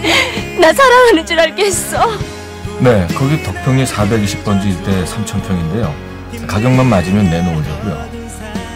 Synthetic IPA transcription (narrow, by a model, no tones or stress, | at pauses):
nasʰaɾaŋɦanɯnt͡ɕiɾaɭk͈es͈ʌ | ne̞kʌɡitʌk̚pʰjoŋisʰabe̞ɡiɕʰi̥p̚p͈ʌnd͡ʑiiɭt͈e̞sʰamt͡ɕʰʌmpʰjʌŋinde̞jo | kaɡjʌŋmanmad͡ʑimjʌnːe̞nood͡ʑʌk͈ujo̰